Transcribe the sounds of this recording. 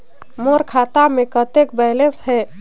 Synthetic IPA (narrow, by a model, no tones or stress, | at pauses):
moɾkʰat̪amẽkət̪ekbɛlesɦɛ